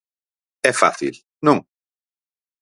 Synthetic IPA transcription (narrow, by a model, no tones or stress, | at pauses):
ɛfa̰θḭl | nũŋ